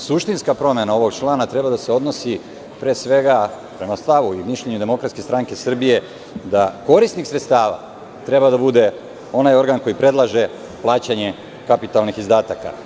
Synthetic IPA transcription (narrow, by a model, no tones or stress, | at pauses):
suʃt̪inskapɾo̞mjenao̞ʋo̞ɡt͡ʃlˠaːnat̪ɾe̞bad̪aseo̞d̪no̞si | pɾeːsʋe̞ɡa | pɾe̞mast̪aʋuimiʃʎeɲud̪e̞mo̞kɾat̪ske̞st̪ɾaŋke̞sr̩bije̞ | d̪ako̞ɾist̪nixsɾet̪st̪aːʋa̰ | t̪ɾe̞bad̪abud̪e̞ | o̞najo̞ɾɡanko̞jipɾe̞dlˠaʒe̞ | plˠaːt͡ɕaɲe̞ | kapit̪alnixizd̪aːt̪aka̰